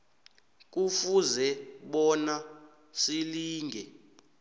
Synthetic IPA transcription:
k̬ʼufuzɛɓɔna | siliːŋɡʱɛ

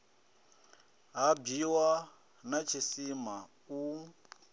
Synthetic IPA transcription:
ɦabiwa | nat͡ʃʰisima | u

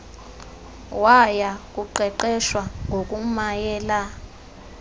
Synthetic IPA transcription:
wajak̬ʼuǃɛǃɛʃwaŋɡʱok̬ʼumajɛːla

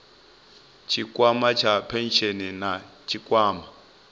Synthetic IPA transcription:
t͡ʃʰikʼwamat͡ʃʰapʰɛnʃeninat͡ʃʰikʼwaːma

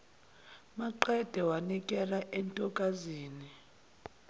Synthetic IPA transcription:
maǃɛd̥ʱɛwanikʼɛlaʔɛntʼɔkʼaziːni

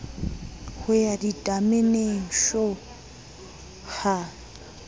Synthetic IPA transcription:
hʊjaditʼamɪneʃɔ | ha

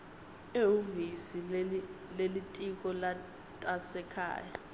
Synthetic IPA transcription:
euvisi | lelitʼik̬ʼɔla | tʼasɛkʰa̰ːja

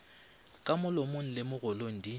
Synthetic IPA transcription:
kʼamʊlomon̩lɪmʊɣʊloŋ̩di

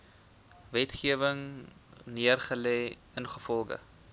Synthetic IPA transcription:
vɛtχiəvəŋniərχəlɛj | ənχəfɔlˠɡə̰

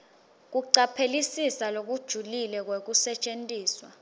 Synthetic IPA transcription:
k̬uǀapʰelisisalok̬ud̥ʒ̥ʱulilɛk̬wek̬usɛt͡ʃʼentʼiːswa̰

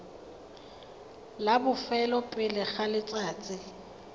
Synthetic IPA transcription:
labʊfɛlɔpʼɪlɪχalɪt͡sʼaːt͡sʼɪ

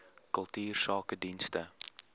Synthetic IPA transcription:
kəlˠtyːrsɑːkədinstə

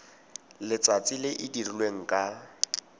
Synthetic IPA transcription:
lɪt͡sʼat͡sʼɪlɪʔɪdirilweŋ̩kʼa

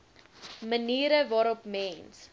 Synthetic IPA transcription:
məniːɾəvɑːɾɔpmɛns

